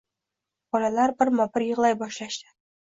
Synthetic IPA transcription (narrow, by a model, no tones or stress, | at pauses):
bɒlalaɾbɪɾmɒpɪɾjɨʁlˠajbɒʃlaʃd̪ɪ̥